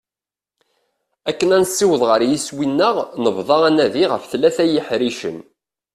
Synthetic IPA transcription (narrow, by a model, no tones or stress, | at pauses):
ækːənænsːiwəðˤʁəɾjiswinːəʁnəvðˤɑænæðiʁəfθlːæθæjəħɾiʃə̰n